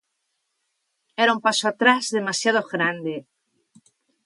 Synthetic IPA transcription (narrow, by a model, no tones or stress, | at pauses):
eɾaumpasoat̪ɾazðemasjaðoɣɾand̪e